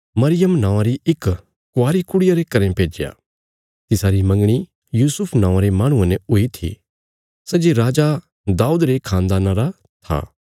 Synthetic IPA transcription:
mɐɾɪjəmnãːãɾiɪk | kːʊaːɾikʊɽɪjaɾekɐɾẽpeːd͡ʒeja̰ | t̪ɪsaːɾimɐ̃ŋɡɽ̃i | juːsʊpʰnãːãɾemaːɽ̃ũãnɛʊit̪ʰḭ | sɛːd͡ʒeɾaːd͡ʒa | d̪aːuːd̪ɾekʰãːnd̪aːnaɾa | t̪ʰa̰

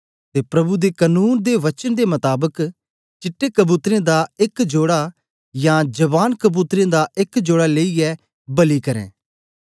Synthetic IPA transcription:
t̪eːpɾɐbud̪ekənuːnd̪eʋɐt͡ʃənd̪emɐt̪aːbək | t͡ʃɪʈːekɐbuːt̪ɾẽd̪aɪkd͡ʒoːɽa | jãd͡ʒɐbaːnkəbuːt̪ɾẽd̪aʔɪkd͡ʒoːɽaleːiɛ | bɐlikɐɾɛ̰̃ː

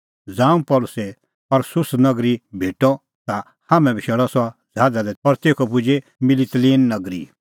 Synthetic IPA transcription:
d͡zãːũpɔːlʊse | ɔɾsʊsnɐɡɾibʱeːʈɔ | t̪a | haːmɛ̃bʱiʃɛɽɔsɔad͡zʱaːd̪ad̪ɛpɔɾt̪eːkʰɔpʊd͡ʒemɪlit̪liːnːɐɡɾḭ

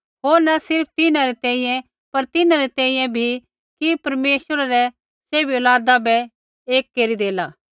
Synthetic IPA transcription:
ɦoːɾnasɪɾp̚ʰt̪ɪnãɾɛt̪ɛ̃ːĩjɛ̃ | pɐɾt̪ɪnãɾɛt̪ɛ̃ːĩːjɛ̃bʱi | kipɐɾmeːsəɾaɾɛ | seːbiolaːd̪abɛ | eːkːeɾid̪eːlaː

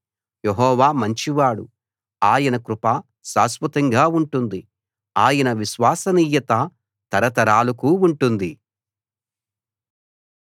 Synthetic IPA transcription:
jeɦɔːʋaːmɐɲt͡ʃiʋaːɽṵ | aːjɐnɐkɾupaː | saːsʋɐt̪ɐŋɡaːuɳʈund̪i | aːjɐnɐʋiʃʋaːsɐniːjɐt̪a | t̪ɐɾɐt̪ɐɾaːlɐkuːuɳʈund̪i

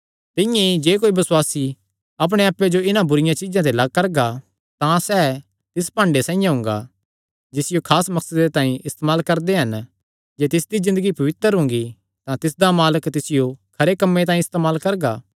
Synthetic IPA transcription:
t̪ɪ̃jẽid͡ʒeːk̬oːibɐswaːsi | ɐp̬ɽ̃eaːpːjed͡ʒoɪnãbʊɾɪjãt͡ʃɪd͡ʒãt̪elɐɡ̚kɐɾɡa | t̪ãsɛː | t̪ɪspãːɳɖesãːĩjãɦʊ̃ŋɡa̰ | d͡ʒɪsɪjokʰaːsmɐksəd̪et̪aːĩʔɪst̪eːmaːlkɐɾd̪eɦɐn | d͡ʒeːt̪ɪsd̪izɪ̃nd̪əɡipɐʋɪt̪əɾɦʊ̃ŋɡi | t̪ãt̪ɪs̬d̪amaːləkt̪ɪsɪjokʰɐɾekɐmːet̪aːĩɪst̪eːmaːlkɐɾɡa

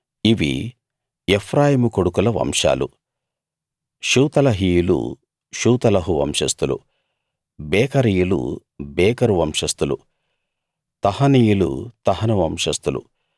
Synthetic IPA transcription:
iʋḭ | epʰɾaːjimukoɽukulɐʋɐ̰mʂa̰ːlṵ | ʃuːt̪ɐlɐɦiːjulṵ | ʃuːt̪ɐlɐɦuʋɐ̰mʂɐst̪ulṵ | bɛːkɐɾijulṵ | bɛːkɐɾuʋɐmʂɐst̪ulṵ | t̪ɐhɐnijulṵt̪ɐɦɐnɐʋɐmʂɐst̪ulṵ

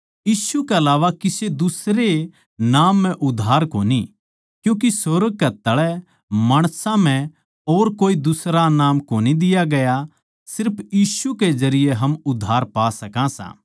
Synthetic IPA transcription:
jiːsukeɐlaːʋakɪsed̪ʊsɾe | naːmːɛ̃ʔʊd̪ʱːaːɾkoːni | kjũːk̬isoɾəɡ̚kɐt̪ɐɭɛ | maːɽ̃sãm̤ɛ̃ | oːɾkoːid̪ʊsɾanaːmkoːnid̪ɪjaɡɐja | sɪɾpʰjiːsuked͡ʒɐɾɪjeɦɐmʊd̪ʱːaːɾpaːsɐkãsã̰ː

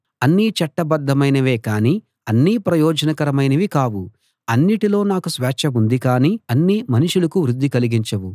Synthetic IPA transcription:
ɐnːit͡ʃɐʈːɐbɐd̪ːɐmɐjnɐʋe̞ːkaːniː | ɐnːiːpɾɐjɔːd͡ʒɐnɐkɐɾɐmɐjnɐʋikaːʋu | ɐnːiʈilo̞ːnaːkusʋɛːt͡ʃɐmund̪ikaːniːɐnːimɐniʂulɐkuʋɾud̪ʱːikɐliɡiɲt͡ʃɐwu

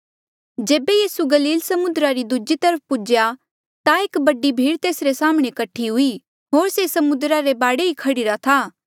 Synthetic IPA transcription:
d͡ʒeːbejiːsuɡɐliːlsɐmʊnd̪ɾaɾid̪ud͡ʒit̪ɐɾəp̚ʰpʊd͡ʒja | t̪aeːkbɐɖibʱiːɽt̪eːsɾesaːmɽ̃ekɐʈʰːiɦʊi | ɦoːɾsesɐmʊd̪ɾaɾebaːɽeɦikʰɐɽɪɾat̪ʰaː

